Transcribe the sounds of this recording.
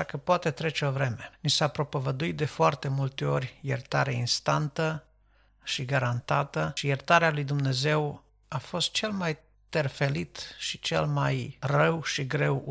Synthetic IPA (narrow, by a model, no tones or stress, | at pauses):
akəpoat̪e̞t̪ɾe̞t͡ʃe̞ovɾe̞me̞nisapɾo̞povəd̪uit̪̚d̪e̞foart̪e̞mult̪e̞o̞rʲjert̪aɾeainst̪ant̪ə | ʃiɡaɾant̪at̪əʃijert̪aɾealujd̪umne̞ze̞w | afo̞st̪̚t͡ʃe̞lmaj | t̪erfe̞lit̪ʃit͡ʃe̞̰lmajrəwʃiɡɾe̞w